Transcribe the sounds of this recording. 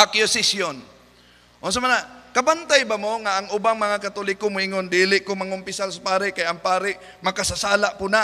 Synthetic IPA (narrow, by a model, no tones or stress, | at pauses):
akjʊsɪsjon | ʔʊns̬amanakabant̪ajbamoŋaʔːŋʊbaŋmɐŋakat̪ulɪkomʊɪŋond̪iːlɪʔkomɐŋʊmpɪsasapaːɾɪʔkajaŋpaːɾɪʔ | mɐkasasaːlaʔpʊna